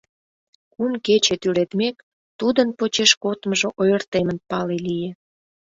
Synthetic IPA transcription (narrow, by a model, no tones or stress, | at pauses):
kumket͡ɕet̪yɾet̪mek | t̪ud̪ənpot͡ɕeʃkot̪məʒoʔojərt̪emənpɑlelije